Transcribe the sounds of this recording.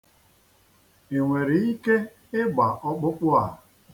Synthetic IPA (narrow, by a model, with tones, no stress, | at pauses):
e˨ŋʷe˨ɾi˨i˦ke˦ | ɪ˦ɡ͡ba˨ʔɔ˦k͡pʊ˦k͡pʊ˦a˨